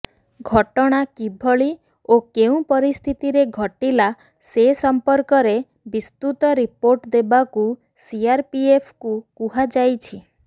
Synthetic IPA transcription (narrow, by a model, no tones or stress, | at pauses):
ɡʱɔʈɔɽ̃akibʱɔɭi | okeũpɔɾist̪ʰit̪iɾeɡʱɔʈila | sesɔmpɔɾkɔɾe | bist̪ut̪ɔɾipoɾʈd̪ebaku | siaɾpiepʰkukuɦad͡ʒajt͡ʃʰi